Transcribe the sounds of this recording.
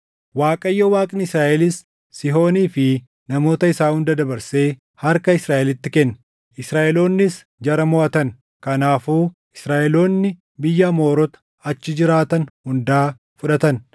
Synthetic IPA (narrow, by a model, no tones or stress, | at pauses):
waːkʼɐjːɐwaːkʼɪnɪsɾaːʔɛlɪsː | ɪɦo̞ːniːfɪ | nɐmo̞ːt̪ɐɪsaːhʊnd̪ɐd̪ɐbɐɾse̞ː | hɐɾkɐɪsɾaːʔɛlɪt̪ːɪkɛnː | ʔɪsɾaːʔɛlo̞ːnːɪs | d͡ʒɐɾɐmɔʔɐt̪ɐn | kɐnaːfuː | ɪsɾaːʔɛlo̞ːnːɪ | bɪjːɐmo̞ːɾɔt̪ɐ̥ | ɐt͡ʃːɪd͡ʒɪɾaːt̪ɐnhʊnd̪aː | fʊᶑɐt̪ɐn